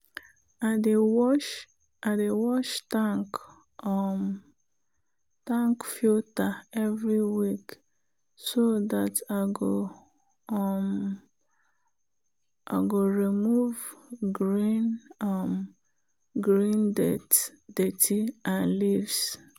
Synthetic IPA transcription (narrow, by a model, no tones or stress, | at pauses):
adewɔʃ | adewɔʃtaŋk | m | tãŋkfiltaɛvɾiwik | sodataɡo | m | ʔa̰ɡoɾimuvɡɾinm | ɡɾindetdetʰiãnlivs